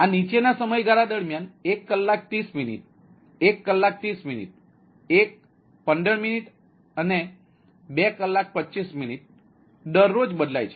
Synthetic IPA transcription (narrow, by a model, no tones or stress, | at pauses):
anit͡ɕenasəməjɡʱaɾad̪əɽmjanekːəlːak̚t̪iːsminḭʈ̚ | ekːəlːak̚t̪iːsminḭʈ̚ | ek̚ | pənd̪əɭminiʈ | əne | bɛkəlːak̚pətːɕisminiʈ̚ | d̪əɾːod͡zbəd̪la̰jt͡ɕʰe̥